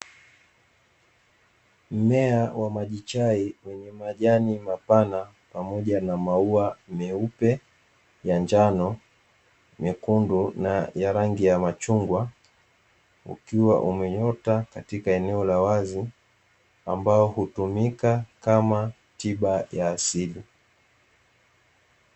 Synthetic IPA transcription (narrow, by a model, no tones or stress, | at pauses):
m̩mɛawamaʄit͡ʃaiwɛɲɛmaʄanimapana | pamɔʄanamauamɛupɛ | jand͡ʒanɔ | mɛkundunajaɾaŋɡijamat͡ʃuŋɡwa | ṵkiwa̰ʔumɛɲɔtakatikaɛnɛɔlawazi | ambaɔhutumikakama | tiɓajaːsili